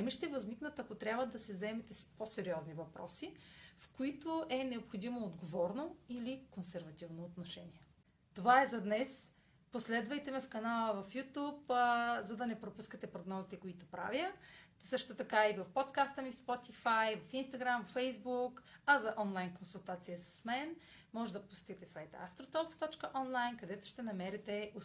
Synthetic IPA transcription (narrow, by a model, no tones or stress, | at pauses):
ɛmiʃt̪ɛvɐzniknət̪ɐkot̪ɾʲabvəd̪ɐsɛzɛmɛt̪ɛsposɛɾiɔznivɐpɾɔ̰sifkoit̪oʔɛnɛopxod̪imoːd̪ɡovɔɾnoilikonsɛɾvɐt̪ivnoːt̪noʃɛnʲiɛ | t̪ovaɛzɐd̪nɛs | poslɛd̪vɐjt̪ɛmɛfkɐnalˠəvɐfjut̪upzɐd̪ɐnɛpɾopuskət̪ɛpɾoɡnɔzit̪ɛkoit̪ʊpɾa̰vjəsɤʃt̪ot̪ɐkaivɐfpot̪kast̪əmifspɔt̪ifajvɐfinst̪ɐɡɾamvɐfɛjzbukɐzɐʔɔnlˠajnkonsulˠt̪at̪sijəsə̥smɛn | mɔʒɛd̪ɐpʊsʲt̪it̪ɛsajt̪a̰st̪ɾot̪ɔkst̪ɔt͡ʃkəʔɔnlˠajnkɐd̪ɛt̪ʊ̥ʃt̪ɛnɐmɛɾɛt̪ɛo